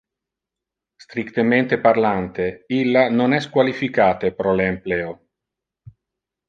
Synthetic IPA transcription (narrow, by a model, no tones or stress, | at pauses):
st̪ɾikt̪ement̪eparlant̪eilːanonɛskwalifikaːt̪epɾɔleːmpleːo